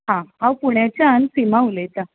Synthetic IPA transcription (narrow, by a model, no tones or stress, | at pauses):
ɦãɦãwpuɳjat͡ɕjaənsimaulet̪a